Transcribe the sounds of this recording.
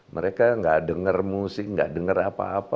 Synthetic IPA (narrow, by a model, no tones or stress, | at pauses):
mʔə̰ɾekaŋɡaʔdəŋərmusɪŋɡaʔdəŋərapa̰ːpa